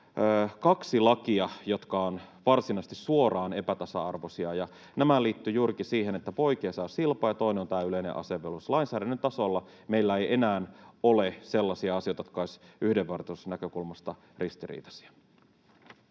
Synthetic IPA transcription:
kɑksilɑkiɑjo̞t̪kɑonʋɑrsinɑst̪issuo̞rɑːne̞pæt̪ɑsɑɑrʋosiɑjɑ | næmæliːt̪ːyjuːrikisiːɦenet̪ːæpo̞ik̟eːsɑːsilpɑjɑt̪oineont̪æːyle̞jnḛʔɑ̰se̞ʋːeluslɑinsæːdænːønt̪ɑso̞lːɑ | meilːæejʔe̞næːnolese̞lːɑsiɑɑsijo̞jt̪ɑjot̪̚kɑoisʔyhdeʋʋɑrt̪eusnækø̞kulmɑst̪ɑ | rist̪irḭːt̪ɑ̥si̥æ̥

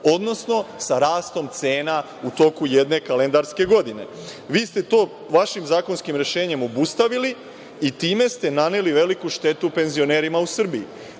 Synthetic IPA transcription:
o̞d̪no̞sno̞saɾaːst̪o̞mt̪se̞ːna | ut̪o̞kuje̞d̪ne̞kale̞nd̪aɾske̞ɡo̞d̪ine̞̰ | ʋiːst̪e̞t̪o̞ː | ʋaʃimzaːkonskimɾe̞ʃe̞ːɲe̞mo̞bust̪aʋili | it̪iːme̞st̪e̞nane̞liʋe̞likuʃt̪e̞t̪upe̞nzio̞ne̞ːɾimausr̩bii

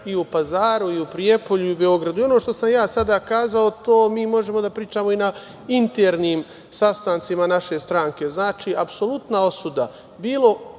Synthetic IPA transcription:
iupazaːɾuiupɾije̞po̞ʎuiube̞o̞ɡɾad̪uio̞noʃt̪o̞samjaːsad̪aːkaːzao̞t̪oːmiːmo̞ʒe̞mo̞d̪apɾiːt͡ʃaːmo̞ina | int̪e̞ɾniːm | sast̪aːnt̪simanaʃe̞st̪ɾaːŋke̞znaːt͡ʃiːapso̞lˠut̪nao̞sud̪a̰ | biːlˠo̞

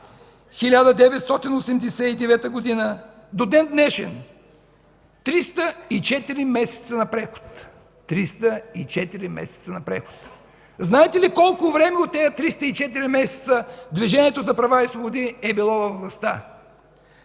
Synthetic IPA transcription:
xilʲad̪əd̪ɛvɛt̪st̪ɔt̪inosɛmd̪ɛsɛid̪ɛvɛt̪əɡod̪inə | d̪od̪ɛnd̪nɛʃɛ̰n | t̪ɾist̪əit͡ʃɛt̪iɾimɛsɛ̥t̪sənɐpɾɛxʊ̥t̪ː | ɾist̪əit͡ʃɛt̪iɾimɛ̰sɛ̥t̪sənɐpɾɛ̰xʊ̥t̪ | znaɛt̪ɛlikɔlˠkʊvɾɛmɛot̪ːɛjɐt̪ɾist̪əit͡ʃɛt̪̬iɾimɛsɛ̥t̪səd̪viʒɛniɛt̪ozɐpɾɐvaisvˠobʊd̪iɛbilˠɔvɐvlˠɐst̪a̰

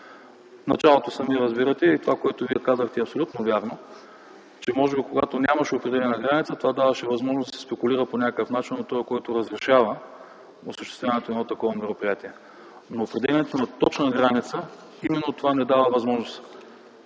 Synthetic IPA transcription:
nɐ̰t͡ʃalˠot̪osɐmiɛɾəzbiɾət̪ɛit̪ovakoɛt̪oviɛkazəxt̪ɛɐpsolʲut̪novʲjaɾno | t͡ʃɛmɔʒɛbikoɡat̪onʲamɐʃɛopɾɛd̪ɛlʲɛnɛnɐɡɾanit̪sət̪ovad̪avəʃɛvɐzmɔʒnsd̪ɐsɛspɛkʊlʲiɾəponʲakəkəfnat͡ʃinot̪t̪ɔjɛkɔjt̪oɾəzɾɛʃavə | osəʃt̪ɛst̪vʲanɛt̪oɛdnɔt̪ɐkɔvəmɛɾopɾijat̪iɛ | noːpɾɛd̪ɛlʲɛnɛt̪onɐt̪ɔt͡ʃnəɡɾanit̪sə | imɛnːot̪ovanɛd̪avəvɐzmɔʒnos

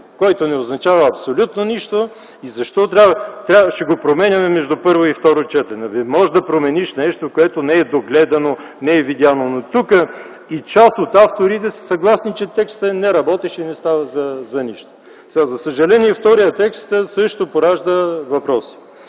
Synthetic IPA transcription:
kɔjt̪onɛoznɐt͡ʃavɐɐpsolʲut̪noniʃt̪o | izɐʃt̪ɔt̪ɾʲat̪ɾʲaʃt̪ɛɡopɾomɛnʲɐmɛmɛʒd̪upɤɾvoift̪ɔɾot͡ʃɛt̪ənɐvimɔʒd̪ɐpɾomɛniʃnɛʃt̪okoɛt̪onɛɛd̪oɡlɛd̪ɐno | nɛɛvid̪janonot̪ukə | it͡ʃasot̪aft̪oɾit̪̬ɛsə̥sɐɡlˠasnit͡ʃɛt̪ɛkst̪ənɛɾɐbɔt̪ɛʃinɛst̪avɐzɐzɐniʃt̪o̥ | sɛɡazɐsəʒɐlɛniɛft̪ɔɾijət̪ɛkst̪sɤʃt̪opoɾaʒd̪əvɐpɾɔsi̥

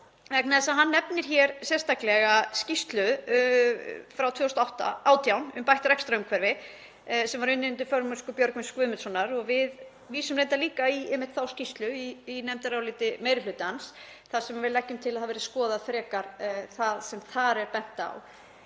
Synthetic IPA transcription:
ɛknaðsaðɦanːɛpnɪɾ̥çɛɾsjɛ̥st̪aklɛɣascist̪lʏ | fɾawt̪ʰvœːwst̪aawht̪a̰aːwt̪ʰjawnʏ̰mpajht̪aɾɛkst̪ɾaʏmkʰvɛɾvɪ | sɛmvaɾʏnːɪʏnt̪̬ʏɾ̥fœɾmʏskʏpjœɾkmʏnskvʏːmʏt̪sɔnːaɾɔɣvɪð | viːsʏmɾejnt̪aliːkaiɛmːɪht̪θawscist̪lʏiːnɛmt̪aɾawlɪːt̪ɪmejɾɪlʏːt̪ans | θaðsɛmavɪðlɛhcːʏmt̪ʰɪlaðhavɛɾɪskɔːðaðfɾɛːkaɾ̥θaðsɛmθaɾɛɾpɛn̥t̪a̰w

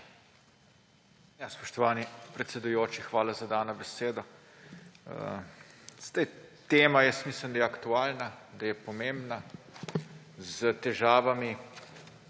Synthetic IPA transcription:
jaspɔ̥ʃt̪ɔʋaːnipɾɛt̪sɛd̪ujoːt͡ʃixʋaːlazad̪aːnɔbɛseːd̪ɔ | ə̰ | z̥d̪ajt̪eːmajɛst̪miːsləmd̪ajɛakt̪uaːlnad̪ajɛpɔmeːmbna | zət̪ɛʒaːʋami

